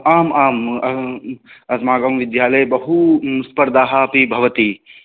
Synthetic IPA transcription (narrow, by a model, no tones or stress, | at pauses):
aːmaːmɐ | ɐsmaːɡɐmʋɪd̪jaːlɐjbɐɦuspɐɾd̪aːɦapibʱɐʋɐt̪i